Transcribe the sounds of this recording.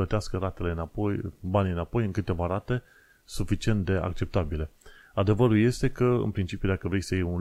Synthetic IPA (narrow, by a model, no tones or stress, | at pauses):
ət̪easkəɾat̪e̞le̞ɨnapojbanʲiɨnapo̞jɨŋkɨt̪e̞vaɾat̪e̞ | sufit͡ʃie̞nt̪̚d̪e̞ʔa̰k̚t͡ʃe̞p̚t̪abile̞ | ad̪e̞vəɾulje̞st̪e̞kəɨ̰npɾint͡ʃipjud̪akəvɾejʲsəjejun